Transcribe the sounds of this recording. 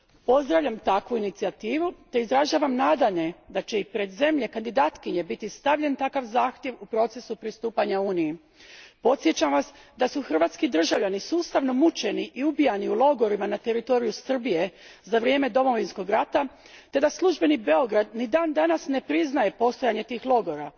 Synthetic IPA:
po̞zd̪ɾaʋʎʲamt̪akʋuinit̪siat̪iːʋut̪e̞izɾaʒaːʋamnaːd̪aɲe̞d̪at͡ɕe̞ipɾe̞d̪ze̞mʎe̞kand̪id̪aːt̪kiɲe̞bit̪ist̪aʋʎe̞nt̪akaʋzaːxt̪je̞ʋupɾo̞t̪se̞supɾist̪uːpaɲauːniji | po̞t̪sjet͡ɕamʋasd̪asuxr̩ʋaːt̪skid̪r̩ʒaʋʎanisuːst̪aʋno̞mut͡ʃe̞niʔiubijaniulo̞ɡo̞ɾimanat̪e̞ɾit̪o̞ɾijusr̩bije̞zaʋɾije̞ːme̞d̪o̞mo̞ʋinsko̞ɡɾat̪a | t̪e̞d̪aslˠuʒbe̞nibe̞o̞ɡɾad̪nid̪aːnd̪anasne̞pɾiznaje̞po̞st̪o̞jaɲe̞t̪iːxlˠo̞ɡo̞ɾa

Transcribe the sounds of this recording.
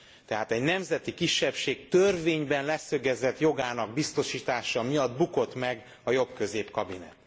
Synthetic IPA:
t̪ɛɦaːt̪ɛɟnɛmzɛt̪ikiʃːɛpʃeːk̚t̪ørveːɲbɛnlɛsø̞ɡɛzɛt̪jo̞ɡaːnɒɡbist̪o̞ʃiːt̪aːʃɒmijɒd̪buko̞t̪mɛɡ | ɒjo̞bkø̞zeːpkɒbinɛ̰t̪

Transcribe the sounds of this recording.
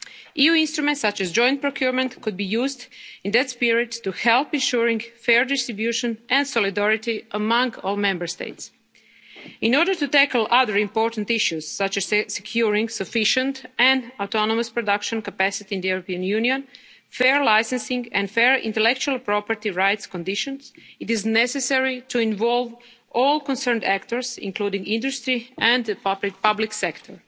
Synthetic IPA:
ijuːĩnst̪ɾumɛ̃ntsːat͡ʃɛzd͡ʒɔ̃j̃nt̚pɾokʰjuɾmɛ̃nt̪kud̪̚bijuːzd̪ĩnd̪ɛt̪spiɹɪt̪ːuhɛlˠpĩnʃuɹĩŋɡfɛɹdɪst̪ɾibjuʃə̃nʔɛ̃ndsɔlid̪ɛɹɪt̪iʔəmãŋɡoːlˠmɛ̃mbəɹst̪ḛɪt̪s | ĩnɔɾdəɹt̪ut̪ækl̩ˠʔaðəɹĩmpoɹt̪ãnt̪iʃjuz̥sat͡ʃɛz̥sekʰjuɹĩŋɡsəfiʃə̃nt̪ɛ̃nawt̪ɔnɔməspɹodakʃɔ̃nkapæsɪt̪iĩnd̪əjuɾopiãnjuniõn | fɛɹlajsɛ̃nsɪ̃ŋɡɛ̃ndfɛɹḭ̃nt̪ɛlɛk̚t͡ʃualˠpɾɔpəɾt̪iɹajt̪skɔ̃ndiʃɔ̃nsɪtɪznɛsɛsɛɹituĩnʋɔlˠʋ | ɔlˠkɔ̃nsɛɹndækt̪ɔɹsḭ̃ŋkludĩŋɡĩndust̪ɾiʔɛ̃nd̪ppablɪksɛkt̪ʰɔɹ

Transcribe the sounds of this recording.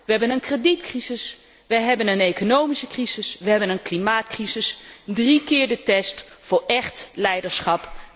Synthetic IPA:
ʋəɦɛbənənkreditkrizɪs | ʋəjɦɛbənənejkonowmisəkrizɪsʋəɦɛbənənklimaːtkrizɪsdrikɪːɹdətɛst | fʊːɹɛχtlɛjdəɹsχɑp

